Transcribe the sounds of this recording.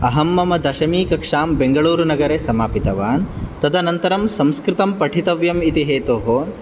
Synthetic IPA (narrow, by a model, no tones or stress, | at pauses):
ɐɦɐmːɐmɐd̪ɐʃɐmiːkɐkʂaːmbeŋɡɐɭuːɾunɐɡɐɾesɐmaːpit̪ɐʋaːnt̪ɐd̪ʱɐnɐnt̪ɐɾɐmsɐ̃mskɾɪt̪ɐmpɐʈʰit̪ɐʋjɐmit̪iɦeːt̪oːɦo